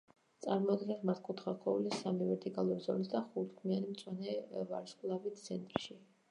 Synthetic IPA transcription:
t̪sʼaɾmɔd̪ɡɛnsmaɾt̪̚ʰkʼut̪ʰχaɾqʰɔulisamivɛɾt̪ʰikʼalˠɔzɔlisd̪aχut̪ʰkʰmianimt̪sʼwanɛva̰ɾskʼlˠavit̪ʰsʰɛnt̪ʼɾʃi

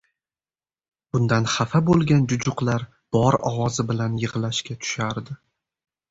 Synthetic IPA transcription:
b̥ʊnd̪anχafabolˠɡʲand͡ʒʊd͡ʒʊqlˠaɾ | b̥ɒɾɒ̰wɒzɪbɪlanjɨʁlaʃkʲat̪ʰʊ̥ʃaɾd̪ɪ

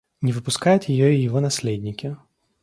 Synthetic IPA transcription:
nʲɪvɨpʊskajʊt̪ʲjɪjɔijɪvɔnasʲlʲed̪ʲnʲikʲi

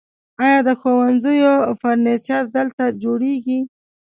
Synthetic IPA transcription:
ɑjɑd̪əxowanzəjofaɾnet͡ʃaɾd̪əlt̪ad͡ʒoɽeɡi

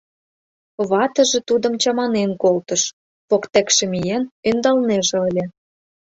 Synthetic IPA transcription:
βɑt̪ə̆ʒĕt̪ud̪ə̆mt͡ɕɑmɑnenkolt̪ɤ̆ʃ | pokt̪æ̆kʃĕmijenønd̪ɑlneʒĕəlʲĕ

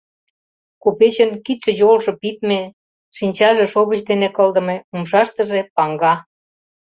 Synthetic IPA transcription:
kopet͡ɕə̆nkit̪ʃĕjolʃɤ̆pit̪me | ʃinʲt͡ɕɑʒĕʃoβət͡ɕd̪enekɤ̆ld̪ə̆meumʃɑʃt̪ə̆ʒepɑŋɡɑ

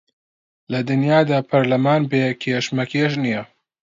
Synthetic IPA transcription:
lɐd̪ɨnjaːd̪aːpʰɐɾlɐmaːnbeːkʰeːʃmɐkʰeːʃ̬nijɐ

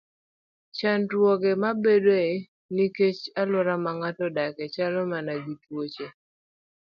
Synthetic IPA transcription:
t͡ʃandwɔɡemabedoe | niket͡ʃalʊɾamaŋatɔdakɛt͡ʃalɔmanaɡitwot͡ʃe

